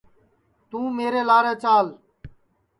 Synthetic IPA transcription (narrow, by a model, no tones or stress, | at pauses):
t̪ũːmeːɾeːlaːɾẽːt͡ʃaːl